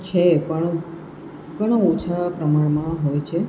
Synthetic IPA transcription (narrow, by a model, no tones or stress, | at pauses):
t͡ʃʰepəɳ | kəɽ̃aot͡ʃʰapɾəmaɳ̃mãɦojt͡ʃʰe